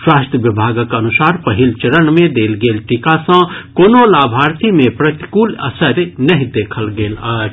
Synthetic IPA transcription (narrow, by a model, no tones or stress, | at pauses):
swaːsʈ̪əʋɪbʱaːɡəkɐnʊsaːɾpəɦɪlt͡ʃəɾənmẽd̪eːlɡeːlʈikasə̃koːnõlaːbʱaːɾt̪ʰimẽpɾɐt̪i̥kuːlɐ̰səɾnɐɦĩd̪eːkʰəlɡeːlaː